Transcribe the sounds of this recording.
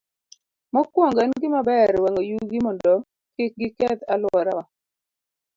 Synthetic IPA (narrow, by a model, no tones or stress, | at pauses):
mɔkwɔŋɡanɡɪmabɛɾwaŋojuɡɪmɔndɔ | kɪk̚ɡɪkɛt̪alɔɾa